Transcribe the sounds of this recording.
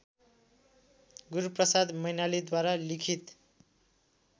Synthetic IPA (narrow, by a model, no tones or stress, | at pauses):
ɡuɾuprʌsad̪mʌjnalid̪waɾalikʰit̪